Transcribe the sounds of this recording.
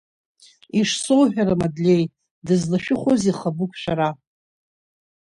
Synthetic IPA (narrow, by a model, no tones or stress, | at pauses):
iʂsowħᶣaɾamadlʲe̞j | dɨznaʃᶣɪχʷoziχabukʷʰʼʃʷᶣaɾa